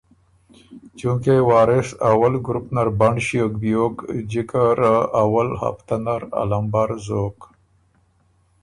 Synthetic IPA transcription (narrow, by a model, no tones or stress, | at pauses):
t͡ʃũkewaːɾɪʂawɐlɡɾupnaɾbaɳɖɕijokbijoːkd͡ʑikaɾaʔawəlha̰ft̪anaɾa̰lambaɾzoːk